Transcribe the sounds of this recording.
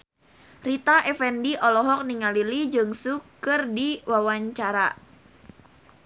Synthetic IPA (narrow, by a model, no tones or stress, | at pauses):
rit̪aʔɛfɛndiʔɔlɔɦɔk̚niŋalilid͡ʒɨŋsukɨrdiwawaɲt͡ʃaɾa